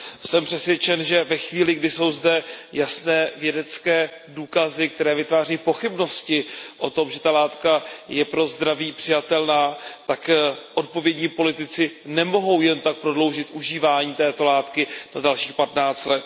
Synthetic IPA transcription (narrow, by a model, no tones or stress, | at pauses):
sɛmpr̥ɛsvjɛt͡ʃɛnʒɛvɛxviːlɪɡdɪso̞wzdɛjasnɛːvjɛdɛt͡skɛː | duːkazɪk̚t̪ɛɾɛːvɪt̪vaːr̝ɛipo̞xɪbno̞scɪʔo̞t̪o̞mʒɛt̪alaːt̪kajɛpɾo̞zd̪ɾaviːpr̥ɪjat̪ɛlnaːt̪akʔo̞t̪̚po̞vjɛdɲiːpo̞lɪt̪ɪt͡sɪnɛmo̞ɦo̞wjɛnt̪ak̚pɾo̞dlo̞wʒɪt̪ʔuʒiːvaːɲiːt̪ɛːt̪o̞laːt̪kɪnadalʃiːxpat̪naːt͡st̪lɛt̪